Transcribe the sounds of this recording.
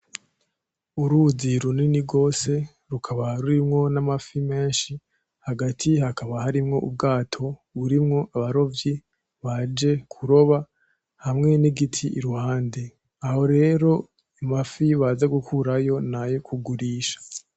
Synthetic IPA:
uɾuziɾuniniɡo̞ːse̞ | ɾukʰaβaɾuɾimŋo̞namafime̞ːnʃi | haɡatʰihakaβahaɾimŋo̞ʔub̚ɡaːtʰo̞βuɾimŋo̞ʔaβaɾo̞vji | βad͡ʒe̞kʰuɾo̞βa | hamŋe̞niɡitʰiʔiɾuhaːnde | aho̞ɾe̞ːɾo̞ | amafiβazaɡukʰuɾajo̞najokʰuɡuɾiːʃḁ

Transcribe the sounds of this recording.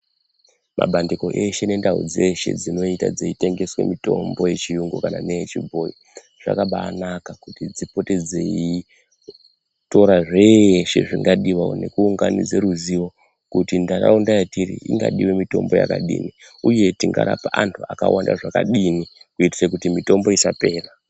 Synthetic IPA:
mʔa̰ɓʱandiko̞ʔe̞ʃe̞ne̞ndaṵd͡ze̞ʃe̞̰d͡zino̞itad͡zeite̞ŋɡe̞swe̞̰mito̞̰mbo̞je̞t͡ʃijuŋɡokana̰neet͡ʃibʱoji | ʐ̥a̰kaɓaːnakakutid͡zipo̞te̞d͡ze̞i | to̞ɾaʐe̞ʃe̞̰ʐiŋɡaɗiʋao̰ne̞kuːŋɡanid͡zeɾuziʋo̞ | kutindara̰undajatirḭḭŋɡa̰ɗiwemito̞̰mbo̞ja̰ka̰ɗḭːni | uje̞tiŋɡa̰ɾapaʔantʰuaka̰wʔandaʐakaɗinikuiti̥sakutimito̞mbo̞isape̞ːra

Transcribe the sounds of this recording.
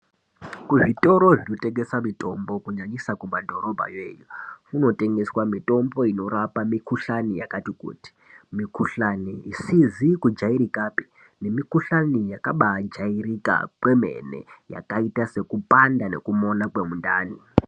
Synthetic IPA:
kuʐito̞ɾo̞ʐino̞teŋɡe̞samitʼo̞mbo̞kuɲaɲisakumadʱo̞ɾo̞bʱa̰jeːjukuno̞te̞ŋɡe̞swamito̞mbo̞ino̞ɾapamikuɬanijakatikṵti̥mikuɬaniːsizikud͡ʒaiɾikapi̥ | ne̞mikuɬanijakaɓad͡ʒairika̰kwe̞me̞̰nḛja̰kaitase̞kupandane̞̰kumo̞nakwe̞munda̰ːni

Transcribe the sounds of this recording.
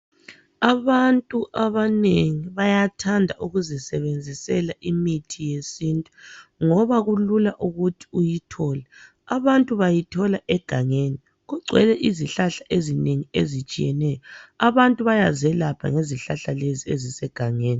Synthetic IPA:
aβantʼuʔaβaneŋiβajatʰandʱaʔuɣuzɛsɛβend͡zʱisɛlaʔimitʰijesintʼu̥ŋɔβaɣululaʔuɣutʰi̥ujitʰɔːlɛ | aβantʼuβajitʰɔlaʔɛɡ̥ʱaŋeni | ɣuɡ͡ǀʱwɛ̰lɛʔiziɬaɬaʔezineŋiezit͡ʃʼijɛ̰nɛjɔaβantʼuβajazɛlapʰa̰ŋeziɬaɬaleziezisɛɡ̥ʱaŋeːni

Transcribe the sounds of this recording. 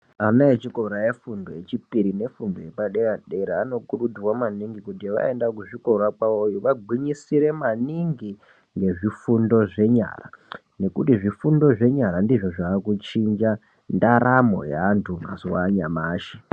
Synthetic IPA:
anaet͡ʃiko̞ɾajefundojet͡ʃipiɾine̞fundojepaɗeɾaɗe̞ɾaano̞kuɗuduwamaniŋɡikutiʋa̰e̞ndakuʐiko̞ɾakwaojuʋaɡʱwiɲisiɾe̞maniŋɡi | ŋɡe̞ʐifundo̞ʐe̞ɲa̰ra | ne̞kutiʐifundo̞ʐe̞ɲaɾandiʐoʐaːkut͡ʃind͡ʒa | ndaɾamo̞̰ja̰ːntʰuma̰zuwaɲa̰maːʃe̥

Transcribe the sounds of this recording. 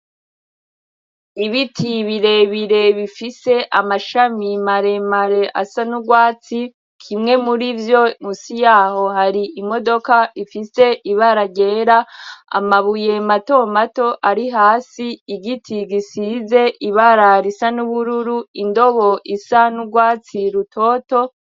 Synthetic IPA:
iβitʰiβiɾe̞βiɾe̞βifise̞ʔamaʃamimaɾe̞maɾe̞ʔasanuɡwaːt͡si | kʰimŋe̞muɾivjo̞musijaːho̞haɾiimo̞do̞kaifise̞ʔiβaɾaɟe̞ːɾaa̰maβuje̞mato̞mato̞ʔaɾiɦaːsiiɡitʰiɡisize̞ʔiβaɾaɾisanuβuɾuɾuindo̞βo̞ʔisanuɡwaːt͡siɾutʰo̞ːto̞

